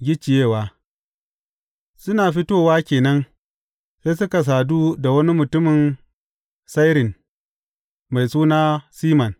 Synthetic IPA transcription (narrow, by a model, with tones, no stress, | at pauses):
ɡʲɪ˦t͡ʃːɪ˨jeː˦˨waː˦ | sʊ˦naː˨ɸɪ˦toː˦waː˦kʲeː˨nɐ˦n | se˦sʊ˦ka˨s̬aː˨duː˦da˨wɐ˦ni˦mʊ˨tʊ˦mɪ˨n | sa˦jɾɪ˨n | ma˨jsuː˦naː˦siː˦mɐ˨n